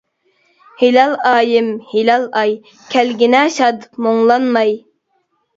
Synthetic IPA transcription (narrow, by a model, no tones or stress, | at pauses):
hilɑlˠɑːjɪmhilɑlˠɑj | kʲʰælɡʲinɛʃɑd̪moŋlˠɑnmɑj